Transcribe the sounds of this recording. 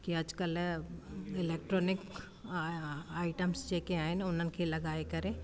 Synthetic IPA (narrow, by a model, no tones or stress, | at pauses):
kiɐd͡ʒkəl | ɪleːk̚ʈɾoːnɪk | aːɪʈəmsd͡ʒeːkeaːɦɪnʊn̤ənɪ̆kʰelɐɡaːekɐɾe